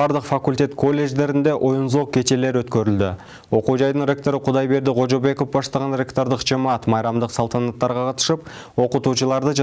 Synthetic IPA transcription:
ɑɾd̪əqfɑkulʲt̪ʲe̞t̪kʰo̞lʲːe̞ʒd̪e̞ɾɪnd̪e̞ʔo̞jənzo̞q̚kʲʰe̞t̪e̞le̞ɾwɵt̪kʲeɾɪld̪ɪ̰ | wo̞quʒɑjd̪əɴɾʲe̞k̚t̪o̞ɾəqʰʊd̪ɑjbe̞ɾd̪ɪʁo̞ʒobe̞ko̞fbɑst̪ɑʁɑnɾe̞kt̪o̞ɾd̪əqʒemɑt̪mɑjɾɑmd̪əqsɑlˠt̪ʰɑnɑt̪ːɑɾʁɑqʰɑt̪ə̥ʃəp̚ | wo̞qət̪uʃəlˠɑɾd̪əʒ

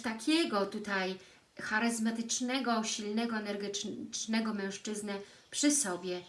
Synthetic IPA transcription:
t̪akʲɛɡɔt̪ut̪aj | xaɾɘzmat̪ɘt͡ʂnɛɡɔɕilnɛɡɔɛnɛɾɡɘt͡ʂnɛɡɔmɛ̃w̃ʂt͡ʂɘznɘ | pʂɘsɔbʲjɛ

